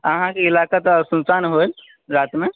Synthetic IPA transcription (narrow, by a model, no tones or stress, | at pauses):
ãɦãkiilakat̪sũnsanɦol | ɾat̪me